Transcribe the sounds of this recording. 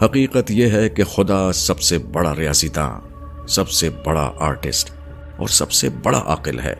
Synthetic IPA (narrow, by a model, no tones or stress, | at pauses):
hɐqiːqət̪jeɦɛkexʊd̪asɐbsebɐɽaɾijaːsit̪ã̰ː | sɐbsebɐɽa̰ʔaːɾʈɪ̰sʈ | ɔ̰ːɾsɐ̰bsebɐɽa̰ʔa̰ːqɪlɦɛ̰ː